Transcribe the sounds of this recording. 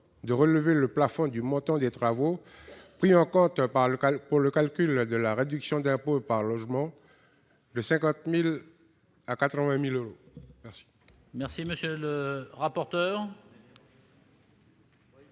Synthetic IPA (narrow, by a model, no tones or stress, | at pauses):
d̪əʁələveləplafɔ̃d̪ymɔ̃t̪ɑ̃d̪et̪χavo | pχiɑ̃kɔ̃t̪puʁləkalkʲyld̪əlaʁed̪yksjɔ̃d̪ɛ̃popaʁlɔʒmɑ̃ | d̪əsɛ̃kɑ̃t̪mil | akat̪χəvɛ̃miløʁomɛʁsi̥ | mɛʁsiməsjøləʁapɔʁt̪œːʁ